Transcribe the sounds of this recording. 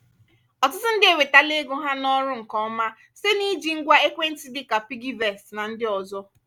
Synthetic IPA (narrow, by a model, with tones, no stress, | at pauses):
ɔ˨tʊ˦tʊ˦n̩˦dɪ˦e˨we˨ta˦le˦ɡʊ˦ɦa˦nɔ˦ɾʊ˦ŋ̩˨kɔ˦ma˦ | se˦ni˦d͡ʒi˨ŋ̩˦ɡʷa˦e˦kʷe˦n̩˦ti˦dɪ˦ka˨pi˦ɡi˦vɛ˨sna˨n̩˦dɪ˦ɔ˨zɔ˦